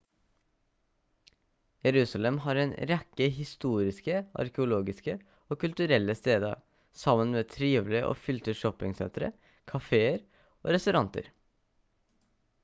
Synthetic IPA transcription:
jɛɾʉːsɑlɛmhɑːɾeːnɾɛkːəhɪst̪uːɾɪskəʔɑ̰ɾkɛʊloːɡɪskə | oːkʉlt̪ʉɾɛlːəst̪eːd̪ə̰ | sɑmənmeːt̪ʰɾiːʋlɪəʔo̰ːfʏlt̪əʃɔpɪŋsɛ̰nt̪ɾə̰ | kʰɑfeːəɾ | o̰ːɾɛst̪ʉɾɑnt̪ə̰ɾ

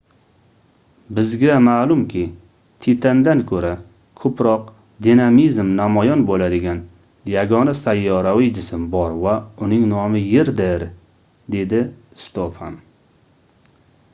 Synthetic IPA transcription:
bɪzɡʲamaːlʊmkʲʰɪ | t̪ʰet̪ʰand̪ankʰɵɾa | kʰɵpɾɒq | d̪inamizmnamɒjɒnbolad̪ɪɡʲan | jaɡɒnasajːɒɾawijd͡ʒɪsɪmbɒɾvaʊnɪŋnɒmɪjɪɾd̪ɪɾ | d̪e̞d̪ɪ | st̪ofa̰n

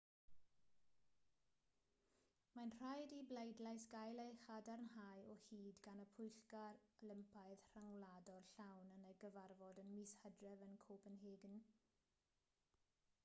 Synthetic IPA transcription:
manr̥ajdiblejdlajsɡ̥ajlejχadarnhajɔhiːdɡanəpʰʊjɬɡarlɪmpʰajð̥r̥aŋladɔrɬawnənəɡəvarvɔdənmishədrɛvənkʰoːpənɦeːɡn

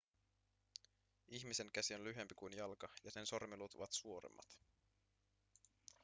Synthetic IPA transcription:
içmise̞ŋkæsio̞nlyɦe̞mpikujnjɑlkɑjɑse̞nso̞rmilut̪ṵʋɑt̪suo̞ɾḛmːɑ̰t̪

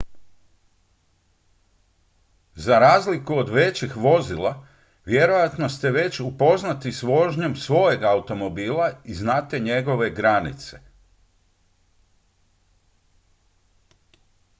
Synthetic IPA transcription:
zaɾaːzlikuod̪ʋe̞t͡ɕixʋo̞zilˠa | ʋje̞ɾo̞jat̪no̞st̪e̞ʋe̞t͡ɕupo̞znat̪isʋo̞ʒɲe̞msʋo̞jeɡaut̪o̞mo̞biːlˠaiznat̪e̞ɲe̞ɡo̞ʋe̞ɡɾanḭt̪se̞̥

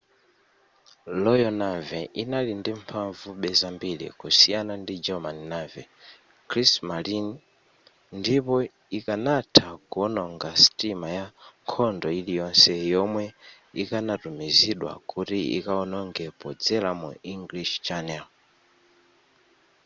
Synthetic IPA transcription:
lɔjɔnavɛʔinalindimpʰaɱvuɓɛzambilḭkusijanandid͡ʒɛmaninavɛ | kʰɾismalin | ndipɔ | ikanatʰaɡɔnɔŋɡasi̥timajaŋkʰɔndɔilijɔnsɛjɔmwɛ | ikanatumiziɗwa̰kutiḭkaɔnɔŋɡɛpɔd͡zɛlamṵiŋɡliʃt͡ʃanɛl

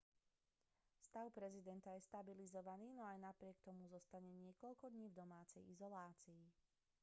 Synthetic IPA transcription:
fst̪aʊpɾɛzid̪ɛnt̪ajɛst̪abilizɔʋaniːnɔajnapɾɪɛkt̪ɔmuzɔst̪aɲɛɲɪɛkɔʎkɔd̪ɲiːvd̪ɔmaːt͡sɛjizɔlaːt͡siː

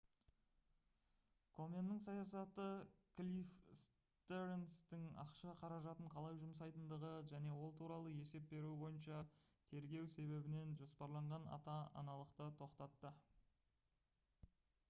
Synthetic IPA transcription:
kʰo̞mʲenːəɴs̬ɑjɑs̬ɑt̪əklʲifs | t̪eɾenst̪ɪŋɑ̰qʃɑqʰɑɾɑʒɑt̪əɴqʰɑlˠɑjʒʊmsɑjt̪ənd̪əʁəʒæne̞wo̞lˠt̪ʰuɾɑlˠəe̞se̞p̚be̞ɾuɪbo̞jənʃɑt̪ʰe̞ɾɡʲe̞wse̞βe̞bɪne̞nʒo̞spɑɾlˠɑɴʁɑnɑ̰t̪ɑɑ̰nɑlˠəqt̪ət̪ʰo̞qt̪ɑt̪ːə

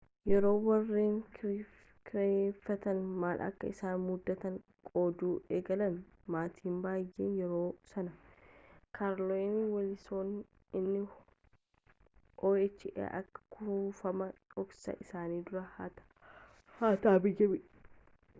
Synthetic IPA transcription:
jɛɾo̞ːwɐrːeːŋkː | kɾefːɐt̪ɐnmaːlʔɐ̰kːɐ̰ɪsaːnmʊd̪ːɐt̪ɐŋkʼoːd̪uːʔeːɡɐlɐn | maːt̪ʰiːmbaːjːḛːnjɛɾo̞ːsɐnɐ | kʰaɾloɪnwɐlɪsoːn | ɪnːɪ | ʔoːɛt͡ʃːɪʔḛːʔɐkːɐ̥kʰʊfɐmɐɔksɐ̰ʔɪsaːniːd̪ʊɾɐhat̪ | haːt̪aːbɪɡɛbɪ

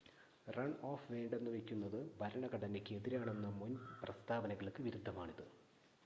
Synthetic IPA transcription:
rɐɳo̞ːfʋe̞ːɳɖe̞nːɨʋekʲːunːɐðɨbʱɐɾɐɳɐɡɐɽɐnekʲːɨeðiɾaːɳe̞nːɐmunprɐst̪ʰaːʋɐnɐɣɐɭkːɨʋiɾud̪ʱːɐmaːɳiðɨ

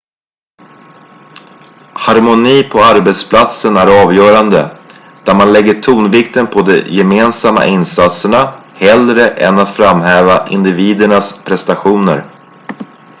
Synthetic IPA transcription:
haɾmʊniːpʰɔaɾbɛt̪spʰlat̪sənæɾɑːvjœːɾand̪ə̰ | d̪̥æɾmanlɛɡːəʈʰuːnvɪk̚t̪ənpʰɔd̪ɛjɛmeːnsamːa̰ʔɪnsat̪səɳahɛld̪ɾəʔɛnat̪fɾamɦɛːvaʔɪnd̪ɪviːd̪əɳaspʰɾɛst̪aɧuːnə̰ɾ

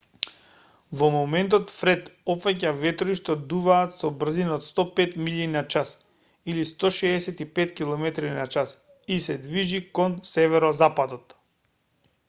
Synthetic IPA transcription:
vɔmɔmɛnt̪̬ɔt̪fɾɛt̪ɔpfacavɛt̪ɾiʃt̪ɔd̪uvaːt̪sɔbr̩zinɔt̪st̪ɔpɛt̪miʎinat͡ʃas | ilist̪ɔʃɛːsɛt̪ipɛt̪kilˠɔmɛt̪ɾinat͡ʃas | isɛd̪viʒikɔnsɛvɛɾɔzapad̪ɔt̪

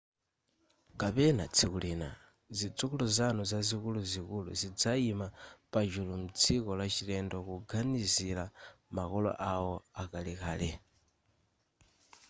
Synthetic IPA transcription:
kapɛnat͡sʰikulina̰ | zit͡sukuluzanuzazikuluzikulṵzid͡zaimapad͡ʒulum̩t͡sʰikɔlat͡ʃilɛndɔkuɡanizilamakɔlɔ̰ʔawɔakalika̰ːlɛ

